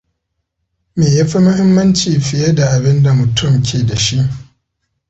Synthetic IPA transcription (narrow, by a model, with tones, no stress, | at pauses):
meː˨ja˦ɸi˦mʊ˦hɪ˦mːɐ˦nt͡ʃiː˨ɸɪ˨jɐ˦da˨ʔa˨bɪ˦nda˨mʊ˨tʰʊ˦mkʲʰeː˨da˨ʃi˦ʔ